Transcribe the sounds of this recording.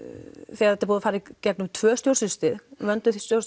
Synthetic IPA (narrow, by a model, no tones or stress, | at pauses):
θɛaɛt̪aɾpuːðafaːɾɪcɛknʏmt̪ʰvœːst̪jowɾsɪst̪ɪðvœnt̪ʏθist̪jows